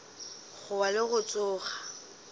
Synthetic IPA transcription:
ɣʊwalɪɣʊt͡sʼʊːχa

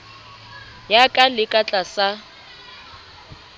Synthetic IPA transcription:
jakʼalɪkʼat͡ɬʼasa

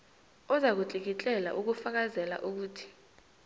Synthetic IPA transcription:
ɔzak̬ut͡ɬʼik̬it͡ɬʼɛla̰ʔuk̬ufak̬azɛla̰ʔuk̬uːtʰi̥

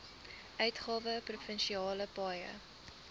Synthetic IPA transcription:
ʔœɥtχɑːvəprufənʃiɑːləpɑːjə̰

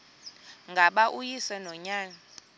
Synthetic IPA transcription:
ŋɡʱaɓaʔujisɛnɔɲaːna

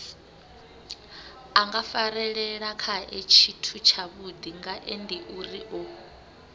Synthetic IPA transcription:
aŋɡafaɾɛɺɛɺakʰaʔɛt͡ʃʰitʰut͡ʃʰaβud̪iŋɡaʔendiʔuriʔɔ

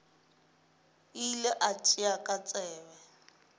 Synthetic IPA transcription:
ilɛʔat͡ʃʼiakʼat͡sʼɛːbɛ

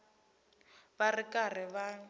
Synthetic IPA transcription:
βarɪkar̤ɪβa

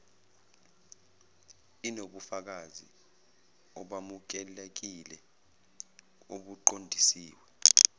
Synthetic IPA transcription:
inoɓufak̬azḭ | ɔɓamuk̬ɛlek̬ilɛ | oɓuǃondʱisiːwɛ

